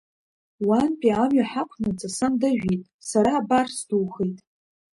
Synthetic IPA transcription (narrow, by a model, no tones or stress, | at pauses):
wanpʲʼiamɥaħakʷʰnɨt͡sʼasɨmdɨʒᶣitʼsaɾaːbarsduwχejtʼ